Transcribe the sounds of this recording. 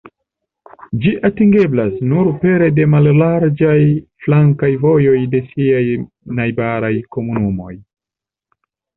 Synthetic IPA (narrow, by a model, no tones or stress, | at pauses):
d͡ʒiʔatiŋɡe̞blasnuɾpe̞ɾe̞de̞mallaɾd͡ʒajflaŋkajvo̞jo̞jde̞siaj | najbaɾajko̞munumo̞̰j